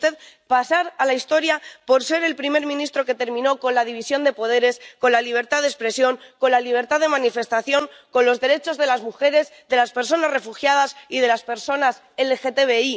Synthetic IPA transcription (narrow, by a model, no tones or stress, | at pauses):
t̪eð | pasaɾalaist̪o̞ɾjapo̞ɾse̞ɾe̞lpɾime̞ɾmĩnist̪ɾo̞ke̞t̪e̞ɾmĩno̞ko̞nlað̞iβ̞isjo̞nd̪e̞po̞ð̞e̞ɾe̞sko̞nlaliβ̞e̞ɾt̪aðespɾe̞sjo̞ŋko̞nlaliβ̞e̞ɾt̪aðe̞mãnife̞st̪aθjo̞ŋko̞nlo̞zðe̞ɾe̞t͡ʃo̞zðe̞lazmuxe̞ɾe̞zðe̞laspe̞ɾs̬o̞nasre̞fuxjað̞asiðe̞laspe̞ɾso̞nas | elexe̞t̪eβei